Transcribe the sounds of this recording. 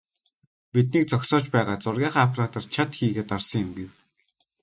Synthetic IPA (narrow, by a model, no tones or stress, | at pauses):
pit̪̬̚niːk̚t͡sɔksɔːt͡ɕpæːʁaːt͡sʊrɣʲaːχaːpʰraːt̪ɔrt͡ɕʰat̪xiːɣeːt̪arsɞ̆ŋɪmɡew